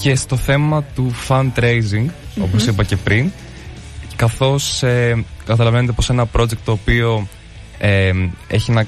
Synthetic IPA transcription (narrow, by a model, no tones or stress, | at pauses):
ce̞st̪o̞θe̞mɐt̪ufɐnt̪ɾejziŋɡo̞̰po̞sipɐce̞pɾin | kɐθo̞sekɐt̪ɐlɐve̞net̪eo̞se̞nɐpɾo̞d͡ʑe̞kt̪ːo̞ːpio̞ | eḛçinɐ